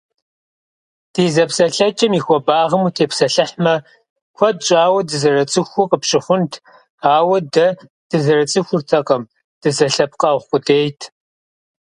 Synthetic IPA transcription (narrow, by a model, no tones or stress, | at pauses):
d̥ʰiːzɐpsɐɬɐt͡ʃʼɐmiːxʷɔbaːʁɐmuːtʰeːpsɐɬɨħmɐ | kʷʰɔd̚t͡ʃʼaːwɐdɨzɐrɐt͡sʼɨxʷʊqʼəpɕʼɪχʷʊntʰ | aːwɐdɐ | d̥ɨzɐrɐt͡sʼɨxʷʊrtʰɐqɐm | d̥ɨzɐɬɐp̚qɐʁqʷʼʊdeːjtʰ